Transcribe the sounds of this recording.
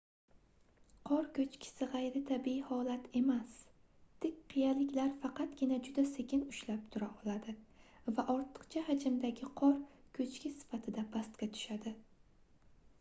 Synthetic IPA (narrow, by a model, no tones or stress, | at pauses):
qʰɒɾkʲʰɵt͡ʃkʲʰɪ̥sɪʁɑjɾɪt̪ʰabihɒlat̪ʰe̞mas | t̪ʰɪkʲqʰijalɪkʲlaɾfɑqɑt̪ɡʲɪnad͡ʒʊd̪ase̞kʲɪnʊʃlap̚t̪ʰʊɾaʔɒlˠad̪ɪ | vaʔɒɾt̪ʰɨ̥qt͡ʃʰahad͡ʒɪmd̪aɡʲɪqʰɒɾkʰɵt͡ʃkʲʰɪsɪ̥fat̪ʰɪd̪abast̪kʲat̪ʰʊ̥ʃad̪ɪ